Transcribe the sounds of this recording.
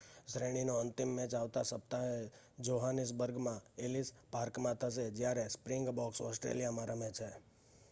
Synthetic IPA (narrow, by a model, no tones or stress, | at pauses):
sɾeɽ̃inoənt̪imːɛ̃t͡ʃaʋt̪asəp̚t̪ae | d͡ʒoɦanis̬bəɾɡmãelis | paɾkmãt̪ʰəs̬ed͡ʒjaɾespɾɪŋɡbɔksɔsʈɾḛlijamãɾəmet͡ʃʰe